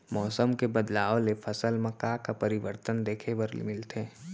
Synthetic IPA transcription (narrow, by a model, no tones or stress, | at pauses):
mɔːsəmkebəd̪laːolepʰɐsəlmɐkakapɐɾɪʋəɾt̪ənd̪eːkʰebəɾl̰mɪlt̪ʰeː